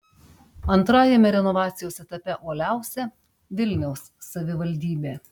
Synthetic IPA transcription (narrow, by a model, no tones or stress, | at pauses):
ɐnt̪ɾɑːjɛmʲɛɾʲɛnɔʋɑːt̪sʲɪjoːsɛt̪ɐpʲɛʔoːlʲæˑʊsʲɛ | ʋʲɪlʲnʲɛʊsːɐʋʲɪʋɐlʲˑd̪ʲiːbʲeː